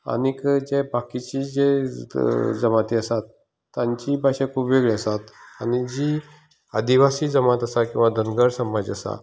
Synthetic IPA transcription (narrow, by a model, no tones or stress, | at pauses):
a̰nikd͡ʑebakit͡ɕiːd͡ʑe | d͡zəmat̪iəsat̪ː | ãɲt͡ɕiːbʱaɕãkʰuːpʋeɡɭeəsat̪a̰ñid͡ʑi | ə̰d̪iʋasiːd͡zəmat̪əsakĩw̃ʋad̪ʱənɡəɾsəmad͡ʑəsa̰